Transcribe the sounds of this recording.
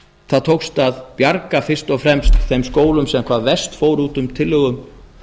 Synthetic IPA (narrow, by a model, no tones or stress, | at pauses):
θaðt̪ʰowkst̪aðpjaɾkafɪr̥st̪ɔfɾɛmst̪θejmskoːwlʏmsɛmkʰvaːðvɛst̪foːwɾuːt̪ʏmt̪ʰɪlːʏɣʏm